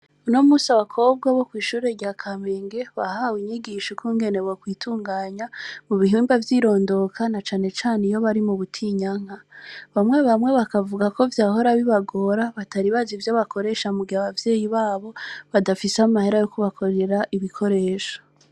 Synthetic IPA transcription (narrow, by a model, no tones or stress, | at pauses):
unomuːsaβakʰo̞b̚ɡaβo̞kwiːʃuːɾe̞ɾɟaːkʰameːŋɡe̞βahaːwiɲiɡiʃokʰuːŋɡe̞ne̞wokwiːtʰuːŋɡaːɲamuβiɦiːmbavjiɾo̞ːndo̞kʰanat͡ʃaːne̞t͡ʃaːnejo̞βaɾimuβutʰiɲaŋ̥haβamŋe̞βamŋe̞βakavuɡako̞vjaːho̞ɾaβiβaɡo̞ɾaβataɾiβazivjoβakʰo̞ɾe̞ʃamuɡiaβavje̞ːjiβaːβo̞βadafiseaamahe̞ɾajokuβakʰo̞ɾe̞ɾaʔiβikʰo̞ɾe̞ːʃo̥